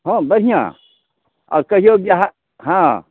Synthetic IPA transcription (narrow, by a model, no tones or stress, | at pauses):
ɦõːbɐɾ̤ijã̰ | ɔ̰ːɾkɐɦijoɡjaɦ | ɦã